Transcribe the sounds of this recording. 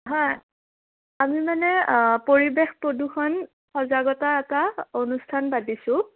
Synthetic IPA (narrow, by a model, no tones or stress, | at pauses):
ɦɔj | amimanɛpoɹibexpodukʰɔn | xɔzaɡɔtaɛtaonustʰanbadisʊ̃